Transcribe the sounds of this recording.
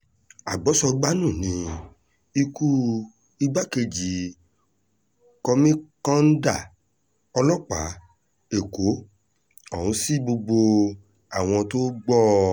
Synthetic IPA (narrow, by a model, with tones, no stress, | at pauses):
a˨ɡ͡bɔ˨˦sɔ˧ɡ͡ba˦nũ˦˨nĩ˨˦ | i˧ku˦ | i˧ɡ͡ba˦ke˧d͡ʒi˨˦ | kɔ˧mĩ˦kã˦n̩˦da˦˨ | ɔ˧lɔ˦˨k͡pa̰˨˦ | e˦˨ko˨˦ | ɔ˦˨ũ˨˦si˦bo˧ɡ͡bo˧ | a˨w̃ɔ̃˧to˦ɡ͡bɔ˦